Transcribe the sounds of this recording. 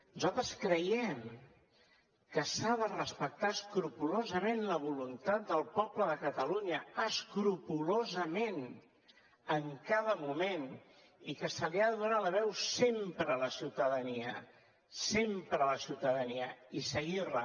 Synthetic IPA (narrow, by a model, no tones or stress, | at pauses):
nuzalˠt̪ɾəskɾəjɛm | kəsaðərəspək̚t̪aəskɾupulozəmenləβ̞ulunt̪at̪̚d̪əlˠpɔbləðəkət̪əluɲəəskɾupulozəmen | əŋkaðəmumen | ikəsəliaðəðunaləβ̞ɛwsempɾələsiwt̪əðəniə | sempɾələsiwt̪əðəniəisəɣirlə